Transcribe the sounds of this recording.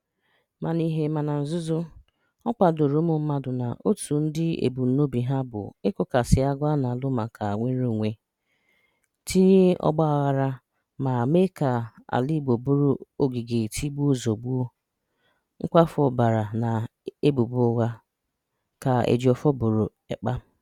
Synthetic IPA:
ma˨ni˦ɦe˨ma˨na˨n̩˨zʊ˦zʊ˦ | ɔ˦ka˨do˨ɾo˨˦mʊ˦˨m̩˦ma˦dʊ˨na̰˨ʔo˦tʰu˨n̩˦dɪ˦ḛ˨bu˨n̩˨˦no˦bi˨ɦa˦bʊ̰˨ɪ˦kʊ˨ka˨sɪ˨a˦ɡʷa˦na˨lʊ˦ma˨kʰa˨ŋʷe˦n̩˦ɾo˦˨ŋʷe˦ | tʰi˦ɲe˦ɔ̰˦ɡ͡ba˦a˨ɣa˨ɾa˦ | ma˨me˦ka˨a̰˨li˦bo˨bu˦ɾo˦o˦ɡi˨ɡe˨tʰi˦bu˦o˦zo˨ɡ͡bu˦o˦ | ŋ̩˦kʷa˦fɔ˨ba˨ɾa˨na˨ | e˦bu˨bu˦o˦ɣa˦ | ka˨ḛ˨d͡ʒi˨ɔ˨fɔ˦bo˨ɾo˨ | e˨k͡pa˦

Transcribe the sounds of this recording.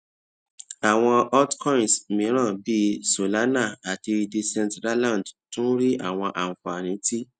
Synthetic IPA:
a˨w̃ɔ̃˧ɔ˦tkɔ̃˦ĩ˨nsmĩ˨˦ɾ̃ã˦˨bi˦so˨la˨˦na˦˨a˨ti˧di˧sɛ̃˧ntɾa˦lã˦˨dtũ˦ɾi˦ʔa˦˨w̃ɔ̃˧ʔa˨ũ˨fa˨a˨nĩ˨˦ti˦

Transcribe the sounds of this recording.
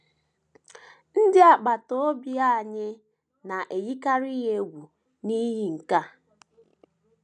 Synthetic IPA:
n̩˦dɪ˦a˨k͡pa˨to˦o˦bja˦˨ɲɪ˦ | na˨ʔe˨ji˦ka˦ɾi˦ɦe˦ɡʷu˨ | ni˦ɦi˦ŋ̩˨ka˦

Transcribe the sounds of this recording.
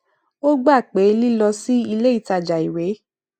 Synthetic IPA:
o˦ɡ͡ba˦˨k͡pe˨˦li˦lɔ˧si˦i˧le˦i˦˨ta˧˨d͡ʒa˨i˨we˨˦

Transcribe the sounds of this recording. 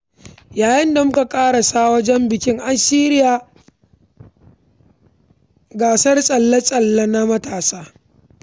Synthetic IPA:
jaː˨jɪ˦nda˨mʊ˦ka˨kʼaː˦ɽa˨saː˦wɐ˦d͡ʒɛ˦mbɪ˨kʲɪ˦ŋʔa˨siː˦ɾɪ˦jaː˨ | ɡaː˨sɐ˦rsʼɐ˨lːɐ˦sʼɐ˨lːɐ˦na˦mɐ˦taː˨saː˦

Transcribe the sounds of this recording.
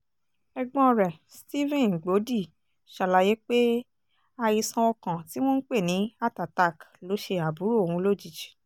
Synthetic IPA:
ɛ˧ɡ͡bɔ̃˦˧ɾɛ˨sti˦vɛ̃˦˨n˨ɡ͡bo˨˦di˦˨ | ʃa˨la˨˧je˦k͡pe˦ | a˧ji˧sã˧ɔ˧kã˨ti˦w̃ɔ̃˦n̩˦k͡pe˦˨nĩ˨˦a˦˨ta˨ta˦˨klo˨˦ʃe˧a˨bu˨˦ɾo˦˨o˨hũ˧lo˦˨d͡ʒi˨d͡ʒi̥˨

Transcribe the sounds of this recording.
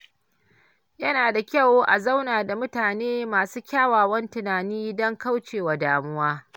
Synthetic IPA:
jɐ˦naː˨da˨kʲɐ˦˨woː˦ʔa˨za˦wnaː˨da˨mʊ˦taː˨neː˦maː˨suː˦kʲaː˦waː˨wɐ˦ntɪ˨naː˨niː˦dɔ˦ŋka˦wt͡ʃeː˨waː˨daː˨mʊ˦waː˦

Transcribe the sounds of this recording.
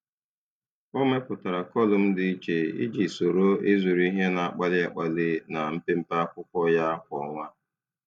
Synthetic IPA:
o˦me˦pʊ˨ta˨ɾa˨kɔ˦˨lʊ˨m̩˦dɪ˦i˦t͡ʃe˨ḭ˦d͡ʒi˨so˨ɾo˦ɪ˦zu˨ɾi˦ɦe˦na˨a˨k͡pa˦lɪ˦a˨k͡pa˨lɪ˦na˨m̩˦pe˦m̩˦pa˦a˦kʷʊ˦kʷɔ˦ja˦a˦kʷɔ˨ŋʷa˦

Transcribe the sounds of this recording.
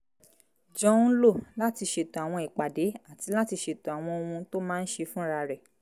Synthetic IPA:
d͡ʒɔ̃˦lo˦˨la˦ti˧ʃe˧˦tɔ̃˨a˨w̃ɔ̃˧i˨k͡pa˨de˨˦a˦˨ti˧˦la˦ti˧ʃe˧tɔ̃˨a˨w̃ɔ̃˧o˧wũ˧to˦mãː˦n̩˦ʃe˧fũ˦ɾa˧ɾɛ˨

